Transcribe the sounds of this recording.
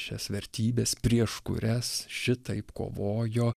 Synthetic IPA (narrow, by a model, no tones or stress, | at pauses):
ʃʲɛsʋʲɛɾʲt̪ʲiːbʲeːspʲɾʲiɛʃkʊ̰ɾʲɛsʃʲɪt̪ɐɪpko̰ːʋoːjoː